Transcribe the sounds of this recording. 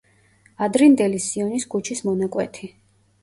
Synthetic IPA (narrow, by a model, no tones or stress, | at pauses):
ad̪ɾind̪ɛlisiɔniskʰut͡ʃʰismɔnakʼwɛt̪ʰi